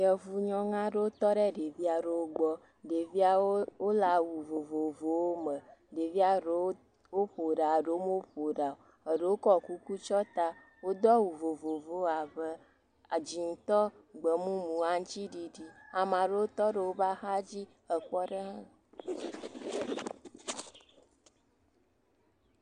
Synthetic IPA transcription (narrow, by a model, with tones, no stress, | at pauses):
jɛ˨vu˨ɲɔ̃˦ŋã˦ɖe˦wo˦t̪ɔ˦ɖe˦ɖe˨vi˦a˨ɖe˨wo˦ɡ͡bɔ˦ | ɖe˨vi˦a˦wo˦la˨wu˨vo˨vo˨vo˨wo˦mə˨ɖe˨vi˦a˨ɖ | wo˦ɸo˨ɖa˨ɖe˦wo˦mo˦o˦ɸo˨ɖa˨o˨ | ə˨ɖe˦wo˦kɔ˦˨ku˦ku˦t͡ʃɔ˦t̪a˦ | wo˦d̪ɔ˦wu˨vo˨vo˨vo˨˦a˨və˦ | a˨d͡ʒi˨ŋ̩˨t̪ɔ˦ɡ͡bə˨mũ˦mũ˨a˨ŋ˦t͡ʃt͡ɕi˦ɖi˨ɖi˦a˨mã˨ɖe˦wo˦t̪ɔ˦ɖə˨wo˦ba˦xa˦d͡ʑi˦ | ə˨kwɔ˦ɖe˦ɦã˦˨